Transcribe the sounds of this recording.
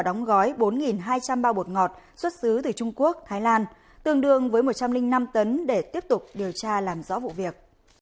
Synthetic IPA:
ɗɔ˨˦wŋ͡mɣɔ˨˦jɓo˨˦nŋi˨˩nɦaː˧jt͡ɕa˧mɓaː˧ɓu˨˩ət̚ŋɔ˨˩t̚swə˦˥t̚sɨ˨˦t̪ɨ˨˩t͡ɕʊ˧ŋ͡mku˦˥ək̚t̪ʰaː˨˦jlaː˧n | t̪ɨ˨˩əŋɗɨ˨˩əŋvəː˨˦jmo˨˩t̚t͡ɕa˧mlï˧ŋ̟na˧mt̪ə˨˦nɗe˧˩t̪i˦˥əp̚t̪ʊ˨˩k͡p̚ɗi˨˩əwt͡ɕaː˧laː˨˩mzɔ̰˧˥vṵ˧˨vi˨˩ək̚

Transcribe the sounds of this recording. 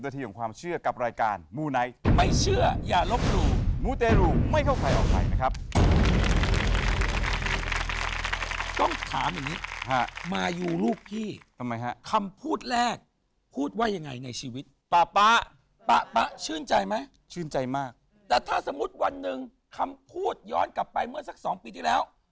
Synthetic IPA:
na˧iː˧kʰɔ˩˦ŋkʰwaː˧mt͡ɕʰɯ˥˩ɐka˨˩p̚ɾaː˧jkaː˧nmuː˧na˦˥jma˥˩jt͡ɕʰɯ˥˩ɐjaː˨˩lo˦˥p̚ɾuː˧muː˦˥˩t̪eː˧ɾuː˧ma˥˩jkʰa˥˩wkʰa˧jʔɔ̰ː˨˩k̚pa̰˧jna˦˥kʰɾa˦˥p̚ | t̪ɔ˥˩ŋt̪ʰa̰ː˩˦mja˨˩ŋːniː˦˥ha˦˥maː˧juː˧luː˥˩k̚pʰiː˥˩t̪ʰa˧mːa˧˦˥jɦa̰˦˥kʰa˧mpʰuː˥˩t̪̚lɛː˥˩k̚ | pʰuː˥˩t̪̚waː˥˩ja˧ŋːa˧jna˧jt͡ɕʰiː˧wi˦˥t̪̚pa˨˩pa˦˥ | pa˦˥pa˦˥t͡ɕʰɯː˥˩nt͡ɕa˧jma˦˥j | t͡ɕʰɯː˥˩nt͡ɕa˧jmaː˥˩k̚ | t̪ɛː˨˩t̪ʰaː˥˩sa˨˧˦mu˦˥t̪̚wa˧nːɯ˨ŋ | kʰa˧mpʰuː˥˩t̪̚jɔ̰ː˦˥nkla˨˩pːa˧jmɯ˥˩ɐsa˦˥k̚sɔː˩˦ŋpiː˧t̪ʰiː˥˩lɛː˦˥w

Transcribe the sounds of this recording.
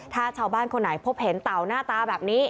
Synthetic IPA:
t̪ʰaː˥˩t͡ɕʰaː˧˩wbaː˥˩nkʰo˧nːa˩˦jpʰo˦˥p̚he˩˦nt̪a˨˩wnaː˥˩t̪aː˧bɛː˨˩p̚niː˦˥

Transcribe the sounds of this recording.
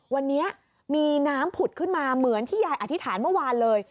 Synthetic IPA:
wa˧nːi˦˥ɐʔ | miː˧naː˦˥mpʰu˨˩t̪̚kʰɯ˥˩nmaː˧mɯ˩˦ənt̪ʰiː˥˩jaː˧jʔa˨˩t̪ʰːi˦t̪ʰaː˩˦nmɯ˥˩waː˧nlɤː˧j

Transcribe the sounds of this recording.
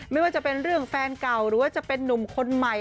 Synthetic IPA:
ma˥˩jwaː˥˩t͡ɕa˨˩pe˧nɾɯ˥˩əŋfɛː˧nka˨˩wɾɯː˨˦wa˥˩t͡ɕa˨˩pe˧nːu˨˩mkʰo˧nma˨˩j

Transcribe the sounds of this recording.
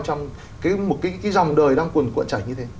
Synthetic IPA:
t͡ɕɔ˧wŋ͡m | kaː˨˦jmo˨˩t̚kaː˨˦jkaː˨˦jzɔ˨˩wŋ͡mɗəː˨˩jɗaː˧ŋku˨˩ənkw̰nt͡ɕaː˧˩jɲɨ˧t̪ʰe˨˦

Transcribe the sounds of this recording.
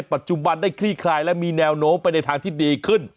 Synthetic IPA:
jpa˨˩t̪̚t͡ɕu˧ba˧nda˥˩jkʰɾiː˥˩kʰlaː˧jlɛ˦˥miː˧nɛː˧wnoː˦˥mpa˧jna˧jt̪ʰaː˧ŋt̪ʰiː˥˩diː˧kʰɯ˥˩n

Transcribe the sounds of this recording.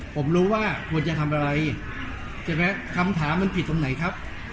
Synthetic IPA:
pʰo˩˦mɾuː˦˥waː˥˩kʰu˧ənt͡ɕa˧t̪ʰa˧mʔa˧ɾa˧j | t͡ɕʰi˨˩mɛ˦˥kʰa˧mt̪ʰaː˩˦mːa˧npʰi˨˩t̪ːo˧ŋna˩˦jkʰa˦˥p̚

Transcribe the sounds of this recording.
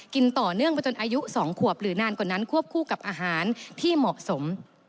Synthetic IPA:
ki˧nt̪ɔː˨˩nɯ˥˩əŋbʰɔː˧˩t͡ɕo˧nʔaː˧ju˦˥sɔː˩˦ŋkʰu˨˩əp̚ɾɯː˩˦naː˧nkɔː˨˩nːa˦˥nkʰu˥˩əp̚kʰuː˥˩ka˨˩p̚ʔaː˧ɦaː˩˦nt̪ʰiː˥˩mɔ˨˩ʔso˩˦m

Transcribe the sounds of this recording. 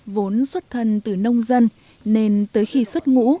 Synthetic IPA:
vo˨˦nswə˦˥t̚t̪ʰə˨˩nt̪ɨ˨˩nə˧wŋ͡mzə˧n | ne˧nt̪əː˨˦jxi˧swə˦˥t̚ŋṵ˧˥

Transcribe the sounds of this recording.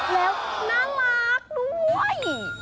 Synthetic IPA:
lɛː˨˦˥wnaː˧˥˩la˦˥p̚nu˦˥əj

